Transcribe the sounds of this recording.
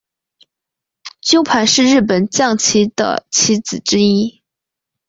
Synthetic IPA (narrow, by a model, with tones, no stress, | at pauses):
t͡ɕjo˥ʊpʰa˧˥nʂɻ̩˥˧ɻɻ̩˥˩p̬ə˨˩nt͡ɕjɑ˥˩ŋt͡ɕʰi˧˥d̪̥ə̰˨t͡ɕʰi˧˥t͡sɹ̩˨˩ʈ͡ʂɻ̩˥i˥